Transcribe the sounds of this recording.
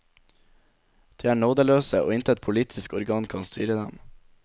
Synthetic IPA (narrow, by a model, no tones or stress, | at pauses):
d̪̥eːæːɳoːd̪əløːsəo̰ːɪnt̪ʰɛt̪̚pʰʊliːt̪ʰɪskɔɾɡɑːŋkʰɑːnst̪yːɾəd̪ɛm